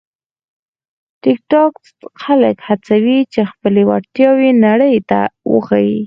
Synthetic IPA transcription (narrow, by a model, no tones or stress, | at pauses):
ʈɪk̚ʈɑk | xalakhat͡sawit͡ʃexpəlewa̰ɽt̪jɑwenaɽəjt̪a̰wə̰xawi